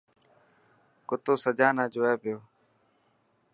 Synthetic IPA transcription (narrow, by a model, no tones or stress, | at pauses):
kʊt̪oːsəd͡ʒaːnãːd͡ʒʊːɛːpɪjoː